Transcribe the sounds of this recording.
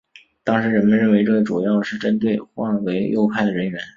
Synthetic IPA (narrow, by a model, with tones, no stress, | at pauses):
t̪ɑ˥ŋʂɻ̩˧˥ɻə˧˥nmə˧nɻə˥˩nwe˧˥ɪʈ͡ʂɤ˥˩ɡə˩ʈ͡ʂu˨˩jɑ˥˩˧ʊd̪ə˩ʂɻ̩˥˩ʈ͡ʂə˥nt̪̬we˥˧ɪxwɑ˥˩˥we˧˥ɪjʔo̰˥˧ʊpʰa˥˩ɪd̪ə˩ɻə˧˥nɥɛ˧˥n